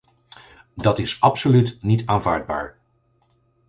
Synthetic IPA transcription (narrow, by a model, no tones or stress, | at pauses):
dɑtɪsɑpsolytnitaːnva̰ːɹd̚ba̰ːɹ